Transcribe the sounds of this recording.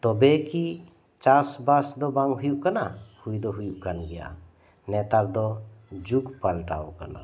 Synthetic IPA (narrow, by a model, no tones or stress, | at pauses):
t̪ɔbeki | t͡ʃasbasd̪ɔbaŋɡɦujuʔkanahujd̪ɔɦujuʔkanɡɛja̰ | nɛt̪aɾd̪ɔd͡ʒukpalʈa̰okə̰na̰